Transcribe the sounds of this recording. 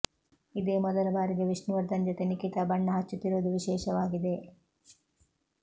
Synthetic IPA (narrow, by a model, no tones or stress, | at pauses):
id̪eːmɔd̪ɐlɐbaːɾiɡeʋiʂnuʋɐɾd̪ɐnd͡ʒot̪enikit̪ɐbɐɳːɐɦɐt͡ʃːut̪ːiɾoːd̪uʋiʃɛːʃɐʋaːɡid̪e̞